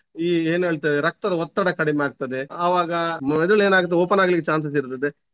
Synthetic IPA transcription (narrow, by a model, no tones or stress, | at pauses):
iːeːne̞ːɭt̪ɐd̪eɾɐk̚t̪ɐd̪ɐɦɔt̪ːɐɽɐkɐɽimeaːɡ̚t̪ɐd̪eɐʋaːɡɐmmɛd̪uɭeːnaːɡut̪ɐeoːpɐnaːɡɐlikːet͡ʃaːns̬ɐs̬iɾut̪ːɐd̪e